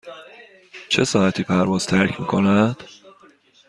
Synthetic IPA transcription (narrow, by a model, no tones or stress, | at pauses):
t͡ʃʰe̞sɒːhæt̪ʰiːpʰæɾvɒːz̥t̪ʰæɾcʰmiːkʰo̞næd̪̥